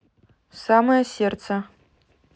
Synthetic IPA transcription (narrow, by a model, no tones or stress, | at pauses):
saːmɐjɐseːrt͡sʰɐ